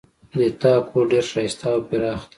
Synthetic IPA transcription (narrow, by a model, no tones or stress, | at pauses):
net̪akʰoɖeɾʃast̪ʰapiɾɑːxt̪